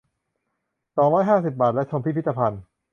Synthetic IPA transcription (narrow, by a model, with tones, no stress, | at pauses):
sɔː˨˩˦ŋɾɔː˦˥jɦaː˥˩si˨˩p̚baː˨˩t̪̚lɛ˦˥t͡ɕʰo˧mʰpʰi˥˩pʰi˦˥t̪ːa˧pʰa˧n